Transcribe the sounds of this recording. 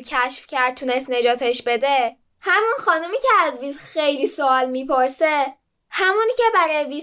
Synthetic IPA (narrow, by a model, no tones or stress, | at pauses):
cʰæʃfcʰæɾd̪̥̚t̪ʰːuːne̞st̪ne̞d͡ʒɒːt̪ʰeʃbe̞d̪e | hæmunxɒːnumiːcʰeæzviːd̪xejlisoɒlmiːpʰoɾse | hæmuncʰebæɾɒjeviː